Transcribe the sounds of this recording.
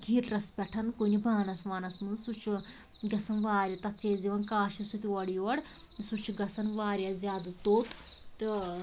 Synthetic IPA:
ɡʱiːʈɾɐspʲɛʈʰɐnkunʲibʱaːnɐsʋaːnɐsmɨnsut͡ʃʰu | ɡɐsɐnʋaːɾʲjɐt̪ɐt̪ʰeziʋɐnkaːʃisɨt̪iʋɐɽijɐɽ | sut͡ʃʰuɡɐsɐnʋaːɾjɐzʲjaːd̪ut̪oːt̪ | t̪ɨ

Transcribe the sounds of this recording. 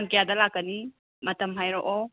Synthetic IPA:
ŋkijadɐlakːɐni | mɐtʰɐmɦajɾoʔo

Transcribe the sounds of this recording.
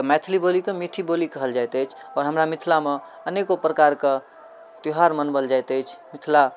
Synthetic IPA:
mɛt̪ʰlibolikemiʈʰibolikəɦəld͡ʒajt̪ɛt͡ʃʰ | ɔːɾɦəmɾamɪt̪ʰlame | ənekopɾəkaɾke | t̪oɦaɾmənbəld͡ʒajt̪ɛt͡ʃʰmɪt̪ʰla

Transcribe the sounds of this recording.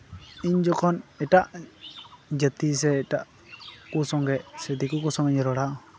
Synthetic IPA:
iɲd͡ʒɔkʰɔnɛʈaʔ | d͡ʒət̪is̬ɛːʈaʔ | kusɔŋɡɛʔsɛd̪ikukɔsɔŋɛɲɾɔɽaʔɔ

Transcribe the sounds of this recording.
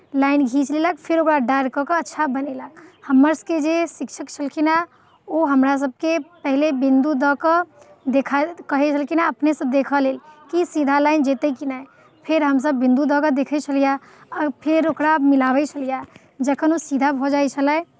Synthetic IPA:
laːɪnɡʱit͡ʃleləkpʰɪɾokɾaɖaɾkəkəətːʃʰabəneləkhəmːəɾsked͡ʒesɪkʃʰəkt͡ʃʰəlkʰina | oɦəmɾas̬əb̚kepəɦlebɪ̃nd̪ud̪ɔkə | d̪ekʰakəɦet͡ʃʰəlkʰinaəpnesəd̪eːkʰəleːlkisid̪ʱalaːɪnd͡ʒeːt̪ekinae | pʰɪɾɦəms̬əbːɪ̃nd̪ud̪ɔkəd̪eːkʰət͡ʃʰəlija | ɔpʰɪɾokɾamɪlaːʋɛt͡ʃʰəlija | d͡ʒəkʰənosid̪ʱabʱod͡ʒajt͡ʃʰələ

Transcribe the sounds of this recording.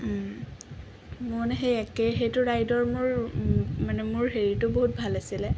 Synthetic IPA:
monɛxejɛkɛɦejtʊɹajdɔɹmʊɹ | manɛmʊɹɦeɹitʊboɦut̚bʱalasilɛ

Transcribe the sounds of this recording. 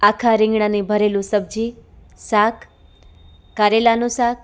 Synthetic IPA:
akʰaɾɪ̃ŋɡɳanibʱəɾelũsəb̚d͡ʒi | sakʰ | aɾelanũsak

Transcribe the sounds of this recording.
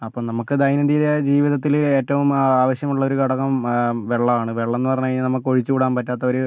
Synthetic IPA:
ɐpːoːmnɐmukːɨd̪ɐjnɐd̪iːðed͡ʑiːʋiðɐt̪̬ːile̞ːtːɐʋumaːʋɐɕjɐmuɭːɐoɾukɐɽɐɣɐmʋe̞ɭːɐmaːɳɨʋe̞ɭːenːɨpɐrɐɲːaːjinɐmːukːɨoɻit͡ɕːɨkuːɽaːmpɐtːaːt̪ːɐo̞ɾu

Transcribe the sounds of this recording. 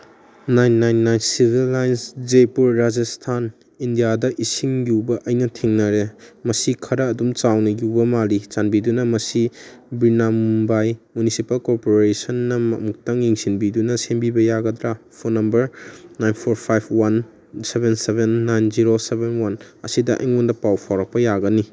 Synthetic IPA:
najnːajnːajnsibʱilːajnsd͡ʒepuɾːad͡ʒɐstʰan | indijadɐʔisiŋjubɐʔɐjnɐtʰiŋnɐɾemɐsikʰɐɾɐːdumt͡ʃawnɐjubɐmalit͡ʃanbidunɐmɐsibɾinamubajmunisipɐlkoɾpoɾesɐnːɐmɐ̰muk̚tɐŋjiŋsinbidunɐsenbibɐjaɡɐdɾapʰonɐmbɐɾnajnpʰoɾpʰajb̚ʰwan | sebensebenːajnziɾosebenwan | ɐ̰sidɐʔɐ̰jŋundɐpawpʰawɾɐk̚pɐjaɡɐni

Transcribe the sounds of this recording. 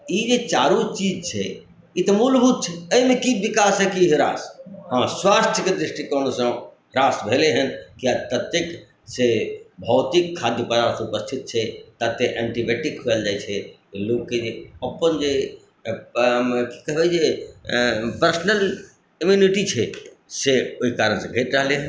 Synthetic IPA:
id͡ʒet͡ʃaːɾũt͡ʃiːd͡ʒt͡ʃʰɛ̰ | it̪ɐmulbʱut̪̚t͡ʃʰɛəimẽkiʋikasɦɛkiɦɾa̰ːsɦãswast̪ʰjəked̪ɾɪʂʈikɔnosə̃ | ɾaːsbʱeleɦənkijat̪ət̪ːek | sebʱɔːt̪ikʰːad̪jəpəd̪aɾseupəst̪ʰit̪̚t͡ʃʰɛt̪at̪ːeʔɛ̃ɳʈibeʈɪkɦueld͡ʒaːjt͡ʃʰekloːɡ̚ked͡ʒeɐpənd͡ʒe | ki̥kɐɦbed͡ʒe | pəɾsnəl | imjuniʈit͡ʃʰe | seoɦikaːɾənsẽbʱeːʈɾəɦleɦən

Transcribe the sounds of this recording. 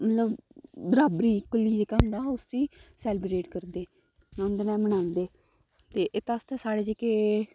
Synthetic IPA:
mət̪ləbbəɾaːbɾiːkʊlːiːd̪eːkəmd̪aːʊsiːsɛːlɪbɾeːʈkəɾd̪eː | ãnd̪eːnɛːmənãːnd̪eː | t̪eːʔɪt̪aːst̪ɛːsaːɽeːd͡ʒekeː

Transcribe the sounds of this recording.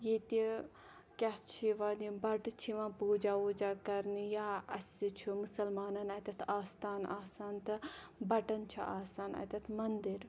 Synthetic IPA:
jeːt̪i | kʲɐt͡ʃʰiʋaːnibɐʈt͡ʃʰiʋãpuːd͡ʒaːuːd͡ʒaːkɐɾnijaːɐsit͡ʃʰumusɐlmaːnɐnɐːt̪ʲɐt̪ʰaːst̪aːnaːsaːnt̪ɨ | bɐʈɐnt͡ʃʰuʔaːsaːnɐ̰ːt̪ʲɐt̪ʰmɐnd̪iɾ

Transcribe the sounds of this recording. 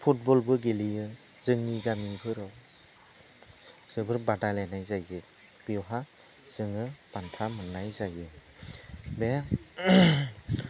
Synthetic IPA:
pʰut̚bɔlbɯɡelijɯ | z̥ɯŋniɡamibʰɯɾɯw | z̥ɯbɯɾbadalenajzajɡɯ | b̥iwɦa | z̥ɯŋɯb̥antʰamɯnːajzajɯ | be

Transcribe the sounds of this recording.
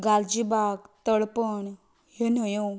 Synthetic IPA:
ɡald͡ʑibaɡt̪əɭpəɳ | ɦenəjo

